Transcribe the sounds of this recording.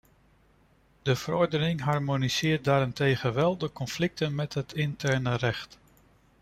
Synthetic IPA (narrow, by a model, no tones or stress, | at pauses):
dəv̥əɾɔɹdənɪŋɦɑɹmoniz̥ɪːɹt̚daːɾɪntejχənʋɛlˠdəkɔnflɪk̚tənmɛtɦətɪntɛɹnərɛχt